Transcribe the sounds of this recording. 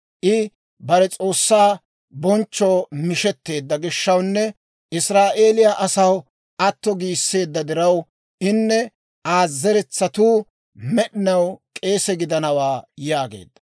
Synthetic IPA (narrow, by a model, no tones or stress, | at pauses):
ʔɪ | bɐɾɛt͡sʼo̞ːsːaː | bɔnt͡ʃːɔːmɪʃɛt̪ːe̞ːd̪ːɐɡɪʃːɐwnːɛ | ɪsɾaːʔeːlɪjaʔɐsɐw | ʔɐt̪ːɔɡiːsːe̞ːd̪ːɐd̪ɪɾɐw | ʔɪnːɛ | aːzːɛɾɛt͡sːɐt̪uː | mɛɗɪnɐwkʼe̞ːsɛɡɪd̪ɐnɐwaːjaːɡḛːd̪ːɐ̥